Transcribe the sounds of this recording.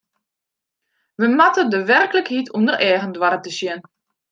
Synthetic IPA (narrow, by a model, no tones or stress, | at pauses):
ʋəmatədəʋɛrkələkhitʰumdərʔɛːɣəndwaɾətəsjɪn